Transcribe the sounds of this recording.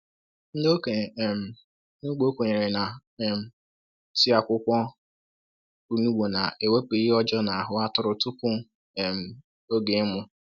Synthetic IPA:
n̩˦do˦ke˨m̩˨ | nʊ˦ɡ͡bo˦kʷo˨ɲe˨ɾe˨na˨ | m̩˦ | ti˦a˦kʷʊ˦kʷɔ˦ | u˦nu˦wo˨na˨e˨we˦k͡pe˨˦i˦ɔ˦d͡ʒɔ˦na˨a˨ɦʊ˦a˦tʊ˦ɾʊ˨tʊ˦kʊ˦˨ | m̩˨ | o˦ɡe˨˦mʊ˦

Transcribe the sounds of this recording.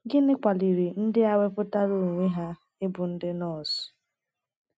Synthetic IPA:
ɡɪ˦nɪ˦kʷa˨li˨ɾi˨n̩˦dɪ˦a˦we˦pʊ˦ta˦ɾo˨ŋʷe˦ɦa˦ | ɪ˦bʊ˨n̩˦dɪ˦nɔ˦˨sʊ̥˨

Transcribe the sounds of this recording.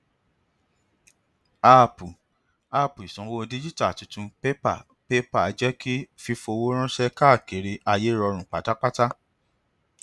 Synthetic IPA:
a˧˨pu˨ | a˦˧pu˨i˨sɔ̃˨˦wo˦˧di˦d͡ʒi˦ta˦˨tũ˨˧tũ˧pe˦pa̰˨ | pe˦pa˦˨˧d͡ʒɛ˦ki˦fi˧fo˧wo˦ɾ̃ã˦ʃɛ˦ka˦˨ke˨˦ɾe˧a˧je˨˦ɾɔ˧ɾ̃ũ˨k͡pa˨ta˦k͡pa˦ta˦

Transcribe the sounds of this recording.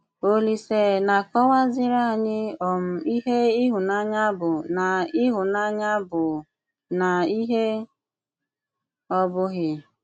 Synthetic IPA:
o˦li˨se˨na˨kɔ˦wa˦zɪ˦ɾa˦˨ɲɪ˦ɔ˨m̩˦˨i˦ɦe˦ɪ˦ɦʊ˨na˦ɲa˦bʊ˨na˨ɪ˦ɦʊ˨na˦ɲa˦bʊ˨ | na˨i˦ɦe˦ | ɔ˦bʊ˦ɣɪ˦

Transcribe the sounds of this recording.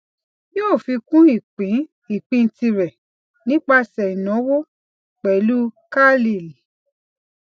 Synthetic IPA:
joː˦˨fi˧kũ˦i˦˨k͡pĩ˨˦ | i˦˨k͡pĩ˧˨˧tĩ˧ɾɛ˨ | nĩ˦k͡pa˧sɛ˨i˨nɔ̃˨˦wo˦ | k͡pɛ˨˦lu˦ka˦li˨li˨

